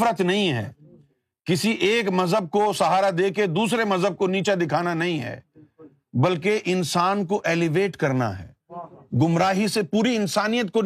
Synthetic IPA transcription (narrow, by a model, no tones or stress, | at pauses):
ɾət̪nɐɦĩɦɛ̰ː | kɪsiʔeːkmɐzɦəb̚kosɐɦaːɾad̪eːked̪uːsɾemɐzɦəb̚koniːt͡ʃad̪ɪkʰaːnanɐɦĩɦɛ̰ː | bɐlkeʔɪnsaːnkoʔeːlɪʋeːʈkɐɾna̰ɦɛ̰ː | ɡʊmɾaːɦisepuːɾiɪnsaːnijət̪̚ko